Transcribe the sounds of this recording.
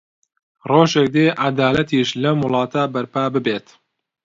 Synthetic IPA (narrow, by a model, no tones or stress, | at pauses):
roːʒek̚d̪eːʔad̪aːlɐt̪iːʃlɐmʊlˠɑːt̪ʰɐbɐɾpaːbɨbeːt̪